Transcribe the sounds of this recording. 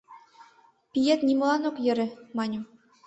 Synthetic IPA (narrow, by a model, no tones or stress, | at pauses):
pʲijet̪nʲimlˠɑnoqjɘ̆ɾɘ̆mɑnʲu